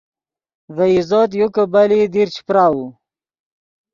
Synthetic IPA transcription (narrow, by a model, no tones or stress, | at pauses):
vaizoːt̪̬jukəbalid̪iɾt͡ʃʰi̥pɾawu